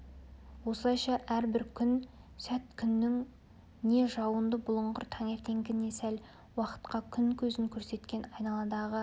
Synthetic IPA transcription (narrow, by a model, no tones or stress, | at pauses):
wo̞səlˠɑjʃɑʔæɾbɪɾkʲʰʏnsæt̪kʲʰʏnːɪŋ | ne̞ʒɑwənd̪əbʊlˠəɴʁʊɾt̪ʰɑŋe̞ɾt̪e̞ŋɡʲɪne̞sæl | wɑqə̥t̪qɑkʲʰʏŋkʲʰɵzɪŋkʲʰɵɾse̞t̪kʲe̞nɑjnɑlˠɑd̪ɑʁə